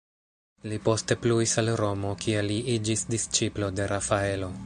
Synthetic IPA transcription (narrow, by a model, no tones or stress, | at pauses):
lipo̞ste̞pluisalɾo̞mo̞kʰieliid͡ʒisdist͡ʃiplo̞de̞ɾʔafae̞lo̞